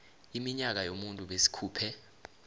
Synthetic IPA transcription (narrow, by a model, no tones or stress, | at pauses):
imiɲak̬ajomuntʼuɓesi̥kʰuːpʰɛ